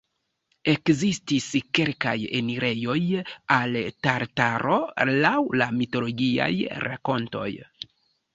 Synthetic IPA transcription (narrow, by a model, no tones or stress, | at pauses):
e̞kzistiske̞lka̰jeniɾʔe̞jo̞jaltaɾtaɾʔo̞̰lawlamito̞lo̞ɡia̰jɾa̰ko̞nto̞̰j